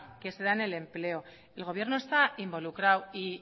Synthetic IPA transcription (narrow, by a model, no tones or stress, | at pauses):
keseðane̞le̞mple̞o̞ | e̞lɣ̞o̞β̞je̞rno̞e̞st̪aimbo̞lukɾawi